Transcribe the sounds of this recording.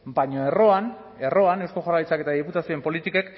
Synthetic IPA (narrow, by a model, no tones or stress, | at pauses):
bajɲoe̞ro̞an | e̞ro̞anewsko̞xoraijt͡sake̞t̪aðiput̪asio̞empo̞lit̪ike̞k